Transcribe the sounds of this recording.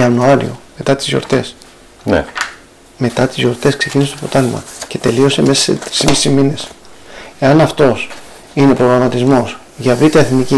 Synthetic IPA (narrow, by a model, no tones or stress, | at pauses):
ɐnuɐɾḭo̞̰me̞t̪ɐt̪i̥zjo̞̰ɾt̪e̞s | n | me̞t̪ɐt̪izʝo̞ɾt̪e̞skse̞cinist̪o̞po̞t̪ɐlimɐ̰ce̞t̪e̞lio̞se̞mesɐsḛt̪ɾismisimine̞s | e̞ɐnɐft̪o̞s | ine̞pɾo̞ɣɾɐmɐt̪izmo̞s | ʝɐvit̪ieθnici